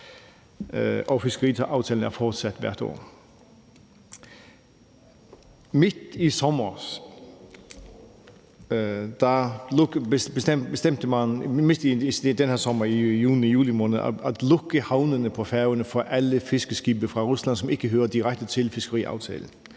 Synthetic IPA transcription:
ʔɔfɪsɡ̥əʁiːɑ̈ʊt͡sʰɛːln̩æɐfɒːd̥sæd̪̥ʋæ̰ɐd̥o̰ː | mɪd̪̥isɔmɐs | d̪̥ɑ | bb̥esbesd̥̪ɛm̰t̪əmænmed̥i̥d̥ɛnhæɐsɔmɐijuːnijuːlimɔːnəð̩ædlɔɡ̥əhɑ̈ʊnənəpʰɔ̽fæɐʋənəfɒʔæləfɪsɡ̥əsɡ̥iːbəfʁɑ̈ʁuslæn̰sɔ̽me̝ɡ̥əɦøːɐd̥̪iʁak̚t̪ət͡sʰɪ̝lfɪsɡ̥əʁḭːʔɑ̰ʊt͡sʰɛ̰ːln̩

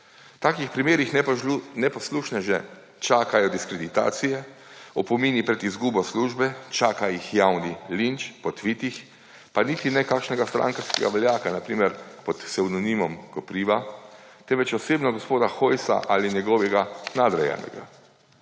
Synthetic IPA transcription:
t̪aːkixpɾimeːɾixnɛpɔsluːʃnɛʒɛ | t͡ʃaːkajɔd̪iskɾɛd̪it̪a̰ːt̪sijɛ | ɔpɔmiːnipɾɛt̪izɡuːbɔsluːʒbɛt͡ʃaːkajixjawnilint͡ʃpɔt̪ʋiːt̪ix | panit̪inɛkaːkʃnɛɡast̪ɾʔa̰ŋkaɾskɛ̰ɡa̰ʋɛljaːkanapɾiːmɛɾpɔt̪sɛwnɔnimɔmkɔpɾiːʋa | t̪ɛnʋɛt͡ʃɔseːbnɔɡɔspoːd̪axojsa̰ʔaːlinjɛɡɔːʋɛɡanad̪ɾɛjɛ̰nɛ̰ɡa̰

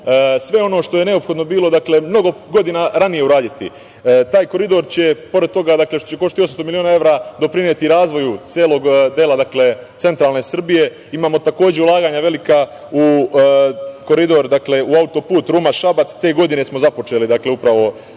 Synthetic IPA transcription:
sʋe̞o̞no̞ːʃt̪o̞je̞ne̞opxod̪no̞biːlˠo̞d̪akle̞mno̞ɡo̞ɡo̞d̪inaɾanije̞uɾaːd̪it̪ḭ | t̪aːjko̞ɾid̪o̞ɾt͡ɕe̞po̞ɾe̞d̪̚t̪o̞ɡad̪akle̞ʃt̪ot͡ɕe̞ko̞ʃt̪it̪ios̬amst̪omilioːnae̞ʋɾad̪o̞pɾiniet̪iɾaːzʋo̞jut̪jeːlˠo̞ɡd̪elad̪akle̞t̪se̞nt̪ɾaːlˠne̞sr̩bije̞ | imaːmo̞t̪ako̞ːd͡ʑe̞ulˠaːɡaːɲaʋe̞lika | u | ko̞ɾid̪o̞ɾd̪akle̞uaut̪o̞puːt̪ɾuːmaʃabat̪st̪e̞ːɡo̞d̪ine̞smo̞zapo̞t͡ʃe̞lid̪akle̞upɾaʋo̞

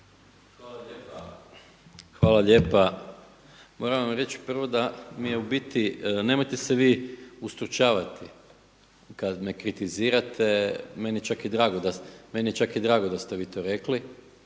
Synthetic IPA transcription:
xalae | xʋaːlaʎe̞ːpa | mo̞ɾaʋʋamɾe̞t͡ʃpr̩ʋo̞d̪amijeubit̪ine̞mojt̪e̞seʋiːust̪ɾut͡ʃaːʋat̪ʰi | kad̪me̞kɾit̪iziːɾat̪ʰe̞menijet͡ʃakid̪ɾaːɡod̪ame̞nije̞t͡ʃakid̪ɾaːɡo̞d̪ast̪eʋiːt̪o̞ːɾe̞kli

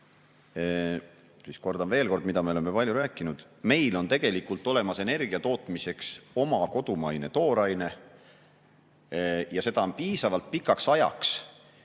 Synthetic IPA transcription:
sisko̞rd̪̥ɑnve̞ːlko̞rd̪mid̪̥ɑmio̞lemːepɑljuɾæːkːˑinud̪̥ | me̞jlo̞nt̪e̞ɡ̥e̞likult̪ːˑo̞le̞mɑse̞ne̞rɡ̥iɑt̪o̞ːt̪mise̞kso̞mɑko̞d̪̥umɑjne̞t̪o̞ːɾɑjne̞ | jɑse̞d̪̥ɑo̞npiːsɑvɑlt̪̚pikːˑɑksɑjɑ̰ks

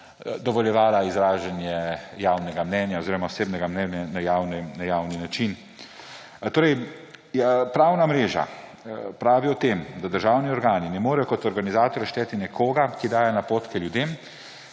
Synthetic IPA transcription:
d̪ɔʋɔljɛʋaːlaizɾaːʒɛnjɛjaːwnɛɡamnɛnjaɔziːɾɔmaɔseːbnɛɡamnɛnjanajaːwnɛnajaːwninat͡ʃin | t̪oːɾɛj | pɾaːwnamɾeːʒa̰ | pɾaːʋiɔt̪emd̪ad̪əɾʒaːwniɔɾɡaːninɛmoːɾɛjɔkɔt̪ɔɾɡanizaːt̪ɔɾjɛʃt̪ɛːt̪inɛkʰoːɡakid̪aːjanapoːt̪kɛljud̪em

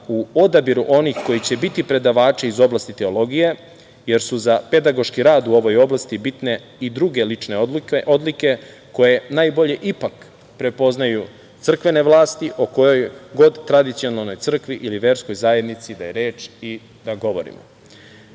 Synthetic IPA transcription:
uo̞d̪abiɾuʔo̞nixko̞jit͡ɕe̞bit̪ipɾe̞d̪aʋaːt͡ʃeizo̞blast̪it̪e̞o̞lˠo̞ɡije̞ | je̞ɾsuzape̞d̪aɡo̞ʃkiɾaːd̪uo̞ʋo̞jo̞blˠast̪ibit̪ne̞ | id̪ɾuɡe̞lit͡ʃne̞o̞d̪like̞ | ko̞je̞najbo̞ʎe̞ʔipak | pɾe̞po̞znaju | t̪sr̩kʋe̞ne̞ʋlˠaːst̪iʔoko̞jo̞jɡo̞d̪t̪ːɾad̪it̪sio̞nalˠno̞jt̪sr̩kʋiʔiliʋe̞ɾsko̞jzajed̪nit̪sid̪ajeɾe̞ːt͡ʃi | d̪aɡo̞ʋo̞̰ɾḭmo̰

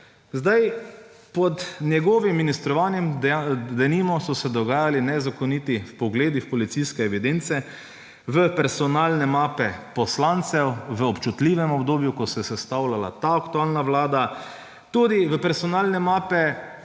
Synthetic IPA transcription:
zd̪aj | pɔd̪njɛɡɔːʋimːinist̪ɾɔʋaːnjɛmd̪ɛnimɔsɔsɛd̪ɔɡaːjalinɛzakɔniːt̪ifpɔɡleːd̪ixpɔlit̪siskɛɛʋid̪ent̪sɛ | ʋəpɛɾsɔnaːlnɛmaːpɛpɔslant̪sɛwʋəɔpt͡ʃut̪liːʋɛmɔbd̪oːbjukɔsɛjɛsɛst̪awlala̰t̪aakt̪uaːlnaʋlaːd̪a | t̪uːd̪iʋəpɛɾsɔnaːlnɛmaːpɛ

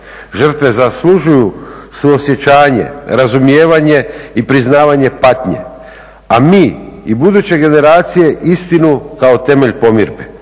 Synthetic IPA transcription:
ʒr̩t̪ʋe̞zaslˠuʒujusuosje̞t͡ɕaːɲe̞̰ɾazumjeːʋaɲe̞ipɾiznaːʋaɲe̞pat̪ɲḛ | amiːibud̪ut͡ɕe̞ɡe̞ne̞ɾaːt̪sije̞ʔist̪inukao̞t̪e̞me̞ʎpo̞mḭɾbe

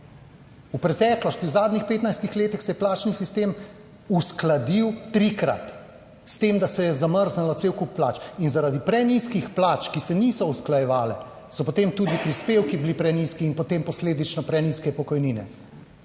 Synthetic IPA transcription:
upɾɛt̪ɛːklɔst̪iuzaːd̪nixpeːt̪najst̪ixleːt̪ixsɛjɛplaːt͡ʃnisist̪eːm | usklad̪iwt̪ɾikɾa̰t̪ | st̪emd̪asɛjɛzaməɾznɛlɔt̪sewkuppːlaːt͡ʃinzaɾad̪ipɾɛniskixplaːt͡ʃkisɛnisɔusklajɛʋaːlɛ | sɔpɔt̪emt̪uːd̪ipɾispeːwkibilipɾɛniːskiːnpɔt̪empɔsleːd̪it͡ʃnɔpɾɛniskɛpɔkɔjniːnɛ̰

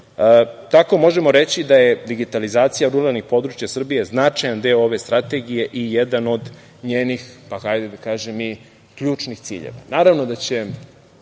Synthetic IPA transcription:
t̪ako̞mo̞ʒe̞mo̞ɾet͡ɕid̪aje̞d̪iɡit̪alizaːt̪sijaɾuɾalnixpo̞d̪ɾut͡ʃjasr̩bije̞znat͡ʃajand̪eooʋe̞st̪ɾat̪e̞ɡije̞ʔijed̪ano̞d̪ | ɲeːnixpaxajd̪ed̪akaːʒemi | kʎuːt͡ʃnixt̪sḭːʎḛʋa̰naːɾaʋno̞d̪at͡ɕe̞

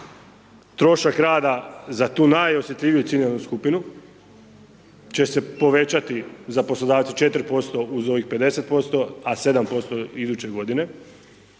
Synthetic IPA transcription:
t̪ɾo̞ʃakɾaːd̪azat̪uːnajo̞sjet̪ʎʲiʋijut̪sinianuskupinu | t͡ʃe̞se̞po̞ʋe̞t͡ɕat̪izapo̞slˠod̪aːʋt̪set͡ʃe̞t̪ɾpo̞st̪o̞uzo̞ʋixpe̞d̪e̞set̪̚po̞st̪o̞ase̞d̪ampo̞st̪oid̪uːt͡ɕe̞ɡo̞d̪ine̞

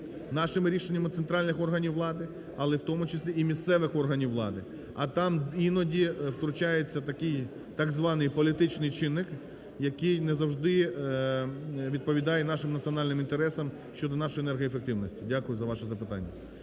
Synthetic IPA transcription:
nɑʃɪmɾʲiʃenʲːɐmʊt̪sent̪ɾɑlʲnɪxɔrɦɐnʲiwːlˠɑd̪ɪ | ɐlˠɛwt̪ɔmʊt͡ʃɪsʲlʲiimʲist̪sɛʋɪxɔrɦɐnʲiwːlˠɑ̰d̪ɪ | ɐ̰t̪ɑminɔdʲiwt̪ɾʊt͡ʃɑjet͡sʲːɐt̪ɐkɪj | t̪ɑɡzʋɑnɪjpɔlʲit̪ɪt͡ʃnɪjt͡ʃɪnːɪk | jɐkɪjnɛzɐwʒd̪ɪ | ʋʲid̪̚pɔʋʲid̪ɑjɛnɑʃɪmnɐtt͡s̪ʲiɔnɑlʲnɪmint̪eɾɛsɐm | ʃt͡ʃɔd̪ɔnɑʃɔjenɛrɦɔjefek̚t̪ɪwnɔsʲtʲidʲakʊjʊzɐʋɑʃɛzɐpɪt̪ɑ̰nʲːɐ̰

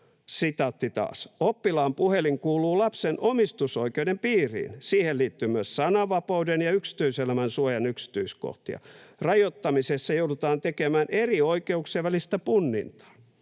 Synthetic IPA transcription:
sit̪ɑt̪ːit̪ɑ̰ːsopːilɑːmpuheliŋkuːluːlɑpsenomist̪usoikeudempiːrḭːnsiːhelliːt̪ːymyøssɑnɑʋɑpɑudenjɑyksi̥t̪yiselæmænsuojɑnyksi̥t̪yisko̰ht̪ḭɑ̰rɑjot̪ːɑmisesːɑjoudut̪ɑːnt̪ekemæːnerioikeukseʋʋælist̪æpunːḭnt̪ɑ̥ː

